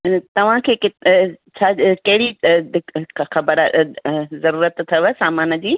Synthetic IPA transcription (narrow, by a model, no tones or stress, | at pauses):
t̪ɐʋ̤ãkʰeːkɪt̪t͡ʃʰakɐɦɪɽi | xɐbəɾ | zɐɾuːɾət̪t̪ʰːɐʋəsaːmaːnd͡ʑiː